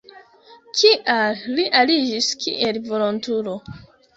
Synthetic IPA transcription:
kʰiʔalliʔalid͡ʒiskʰḭʔe̞lvo̞lontulo̞

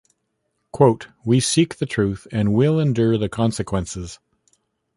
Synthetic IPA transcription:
kʰw̥oʊt̚wisik̚ðɨtʰɹ̥ʉθɨ̃nwɪlˠɨ̃ndʊɹðɨkʰɑ̃nsɨkʰw̥ɛ̃nsɪz̥

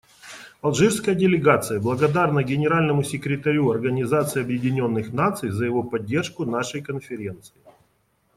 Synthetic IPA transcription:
ɐlˠʐɨfskəjədʲɪlʲɪɡat̪sɨjəblˠəɡɐd̪arnəɡʲɪnʲɪɾalʲnəmʊsʲɪkɾʲɪt̪ɐɾʲuɐrɡənʲɪzat̪sɨɪɐbjɪdʲɪnʲo̞nːɨxnat̪sɨjzəjɪvo̞pɐdʲːe̞rʂkʊnaʂəjkənfʲɪɾʲe̞nt̪sɨɪ

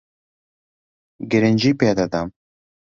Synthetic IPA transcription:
ɡɪɾɪnd͡ʒiːpeːd̪ɐd̪am

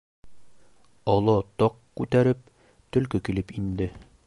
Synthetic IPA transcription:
ɒlˠɑt̪ɒqkʉt̪æɾɘp̚ | t̪ɵ̆lkɵkilɘpind̪ɘ

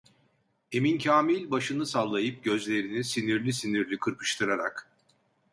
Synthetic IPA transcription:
e̞mincʰaːmilʲbaʃɯnɯsalˠːajɯp̚ɟø̞zlʲe̞ɾinisiniɾlʲisiniɾlʲikʰɯɾpʰɯ̥ʃt̪ʰɯɾaɾak

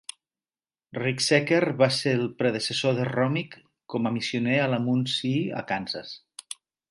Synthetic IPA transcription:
riksekeɾβaseɾlˠpɾeðəsəsoðərɔmik | kɔməmisiunealamunsia̰kansa̰s

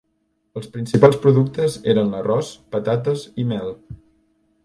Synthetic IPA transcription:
əlˠspɾinsipalˠspɾuðuk̚t̪əzeɾənlərɔspət̪at̪əzimɛlˠ

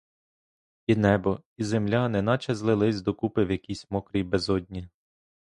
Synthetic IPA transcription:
inɛbɔizemlʲanɛnɑt͡ʃɛzlˠɪlˠɪzʲd̪ɔkupɪwjɐkʲisʲmɔkɾijbɛzɔdʲnʲi

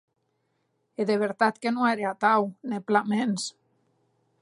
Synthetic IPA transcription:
eðeβ̞eɾt̪at̪kenoeɾeat̪awneplamens

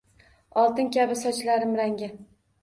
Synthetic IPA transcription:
ɒlˠt̪ɪŋkʲabɪsɒt͡ʃlaɾɪmɾaŋɡʲɪ

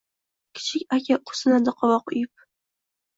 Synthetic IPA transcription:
kʲʰɪ̥t͡ʃʰɪkʲakʲaqʰʊ̥sɨnad̪ɪqʰɒvɒqʊ̰jɪp̚

